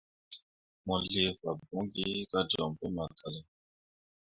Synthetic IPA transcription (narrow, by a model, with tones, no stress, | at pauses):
mɔ˨le˦va˨bɔ̃˨˦ɡi˦ka˦d͡ʒɔ˨m̩˨pɛ˦ma˨kʰa˨lɛ˨